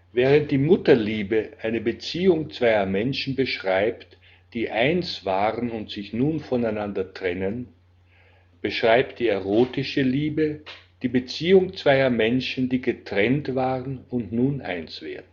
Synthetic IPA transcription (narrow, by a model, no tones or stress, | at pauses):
vɛːʁənt̚d̥iːmʊtɐliːbəʔaɪnəbət͡siːʊŋt͡sv̥aɪɐmɛnʃn̩bəʃʁ̥aɪpt | d̥iːʔaɪnsv̥aːʁənʊntz̥ɪçnuːnfɔnaɪnandɐtʁ̥ɛnən | b̥əʃʁ̥aɪp̚t̚d̥iːɛʁoːtɪʃəliːbəd̥iːbət͡siːʊŋt͡sv̥aɪɐmɛnʃn̩diːɡətʁ̥ɛntv̥aːʁənʊntnuːnʔa̰ɪnsv̥ḛːɐdn̩